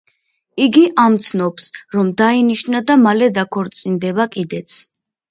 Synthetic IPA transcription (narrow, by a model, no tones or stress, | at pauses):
iɡiʔamt̪sʰnɔpsɾɔmd̪ainiʃnad̪amalɛd̪akʰɔɾt̪sʼind̪ɛbakʼid̪ɛt̪sʰ